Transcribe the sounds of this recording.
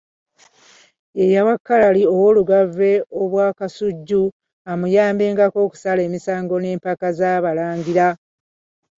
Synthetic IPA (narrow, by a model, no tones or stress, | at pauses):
e̞jawakːalalio̞wo̞ːluɡave̞o̞βwaːkasuɟːu | amujaːmbe̞ːŋɡako̞ːku̥sale̞ːmisaːŋɡo̞ne̞ːmpakazaβalaːŋɡiɾa